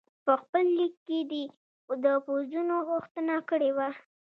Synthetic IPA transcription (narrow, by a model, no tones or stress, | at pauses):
pəxpəlːikːed̪i | d̪əpozzunoɣuxt̪ənakəɽewa